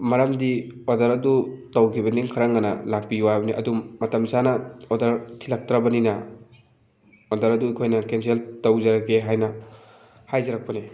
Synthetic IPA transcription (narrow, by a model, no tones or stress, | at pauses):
mɐɾamdiodɐɾɐdutawkʰibɐniŋkʰaɾaŋanɐ̰lak̚piuwabɐniʔɐ̰dumɐtɐmsanɐodɐɾtʰilak̚tɾabɐninɐ | odɐɾɐduikʰojnɐkenseltowzaɾakeɦajnɐ | hajzaɾak̚pɐni